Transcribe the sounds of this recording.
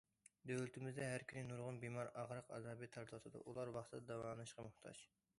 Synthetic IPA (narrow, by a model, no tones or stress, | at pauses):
d̪ølɪt̪ʰɪmɪzd̪ɛɦæɾkʲʰynɪnuɾʁʊnbimɑɾɑʁɾɑqɑ̰zɑːbit̪ʰɑɾt̪ʰɑsɨd̪ɨ̰ʔulˠɑɾwɑχt̪ʰɨd̪ɑd̪ɑwɑːnɨʃqɑmʊht̪ʰɑ̰ʃ